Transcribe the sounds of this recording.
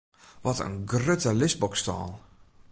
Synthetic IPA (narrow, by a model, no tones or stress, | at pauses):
ʋɔtə̰nɡrøtəlɪsbɔkstɔ̰ːlˠ